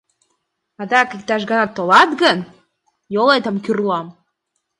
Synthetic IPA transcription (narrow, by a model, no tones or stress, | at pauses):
ɑd̪ɑkik̚t̪ɑʃɡɑnɑt̪ːolɑt̪ɡən | jolet̪ə̆mkyrlɑm